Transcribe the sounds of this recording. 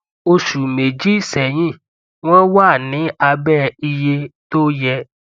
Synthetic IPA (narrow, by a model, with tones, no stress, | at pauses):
o˧ʃu˨me˨d͡ʒi˨˦˨sɛ˨j̃ĩ˦˨ | w̃ɔ̃˦wa˦˨nĩ˨˦a˧bɛ˦˨i˧je˧to˦jɛ˧